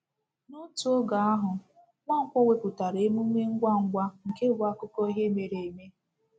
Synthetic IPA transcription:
nʊ˦tu˦o˦ɡa˨a˦ɦʊ˨ | ŋʷa˦ŋ̩˦kʷɔ˦we˦pʊ˨ta˨ɾe˨e˦mu˦ŋʷe˦ŋ̩˦ɡʷa˦ŋ̩˦˨ɡʷa˦ŋ̩˨ke˦ba˦kʊ˦kɔ˦ɦe˦me˨ɾe˨e˨me˦

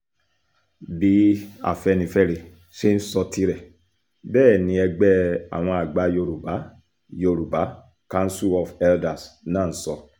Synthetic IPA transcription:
bi˨˦a̰˨fɛ˧nĩ˧˦fɛ˦ɾe˧ | ʃe˦n̩˦sɔ˧tʰi˧ɾɛ˨ | bɛː˦˨nĩ˨˦ɛ˧ɡ͡bɛ˦a̰˨w̃ɔ̃˧a˨ɡ͡ba˨˦jo˧ɾu˨ba˨˦ | jo˧ɾu˨ba˨˦ | kã˧˦n˦su˦ɔ˨fɛ˦lda˨snãː˦˨n̩˨˦sɔ˧

